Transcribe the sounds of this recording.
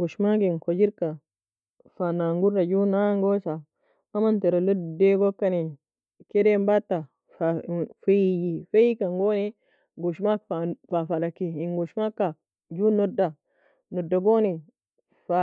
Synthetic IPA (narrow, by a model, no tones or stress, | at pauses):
ɡoʃmaɡinkod͡ʒiɾka | fanaŋɡuɾːad͡ʒunaŋɡosa | amant̪eɾolodeɡokːani | kedembat̪ːa | fafejifejikaŋɡone | ɡuʃmakfafalakːiiŋɡoʃmakːa | d͡ʒunoda | nodːaɡoni | fa